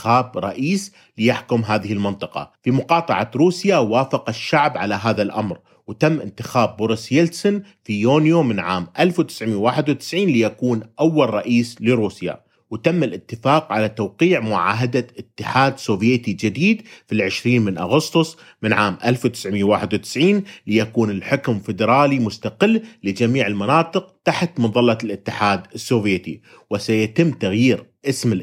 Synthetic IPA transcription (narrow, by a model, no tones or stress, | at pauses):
ɪxaːbɾˤɑ̰ʔiːs | lɪjaħkʊmɦaːðɪhɪlmɪnt̪ˤɨqɑ̰fimʊqɑːt̪ˤɑ̰ʕaɾuːsjawaːfɑqaʃːaʕbʕalaɦaːðalʔamɾ | wt̪amːʔɪ̰nt̪ɪxaːbːʊɾɪsjelsʊnfijoːnjomɪnʕaːmʔalfwt̪ɪ̥sʕmjwaːħɪd̪wt̪ɪ̥sʕiːnlɪjakuːnʔawːalɾˤɑʔiːslɪɾuːsja̰ | wt̪amːalʔɪt̪ːɪfaːqʕalat̪awqiːʕmʊʕa̰ːɦad̪aʔɪt̪ːɪħaːd̪soːvjeːt̪id͡ʒɪd̪iːd̪filʕɪʃɾiːnmɪnʔaɣʊst̪ʊsˤ | mɪnʕaːmʔalfwt̪ɪ̥sʕmijːawaːħɪd̪wt̪ɪ̥sʕiːnlɪjakuːnɪlħʊkmfɪd̪ɾˤɑːlimʊst̪aqɪlːlɪd͡ʒamiːʕɪlmanɑːt̪ˤɨqt̪aħt̪mʊðˤɑlːɑlʔɪt̪ːɪħaːd̪ɪsːoːvjeːt̪i | wɪsajat̪ɪmːt̪aɣjiːɾʔɪsmɪ